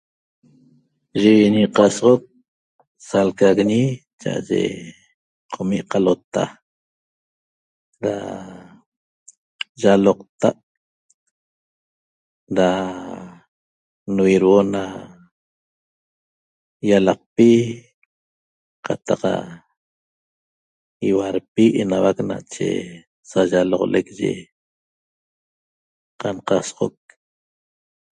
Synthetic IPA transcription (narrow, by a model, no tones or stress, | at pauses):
ʒiwiɲiqɑsʁok̚ | salkaɣɲi | t͡ʃa̰ʔa̰ʒḛ | qʰomiʔqalot̪a̰ | ɾa̰ | ʒaloq̚t̪aʔ | ɾa | nuwiɾwona | jalɑq̚pi | qʰat̪aqa̰ | iwaɾpiʔenawakna̰t͡ʃḛ | saʒalɔʁo̰lekʒḛ | qanqɑsʁok̚